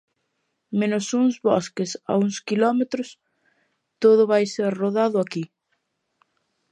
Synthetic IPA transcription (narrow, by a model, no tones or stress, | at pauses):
mẽnʊsuŋzβɔskɪsa̰uŋskilɔmet̪ɾʊs | t̪oðʊβajseɾroðaðʊaki